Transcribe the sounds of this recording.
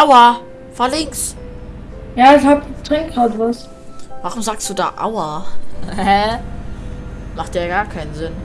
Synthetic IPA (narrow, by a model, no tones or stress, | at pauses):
ʔaʊɐ | fɔɐlɪŋks | jaːɪçhatd̥ʁɪŋkhazvas | vaʁʊmzaːksd̥uːda̰ːʔa̰ʊɐ | hɛ | maχt̚d̥aːɡaːɐkʰaɪnənzɪn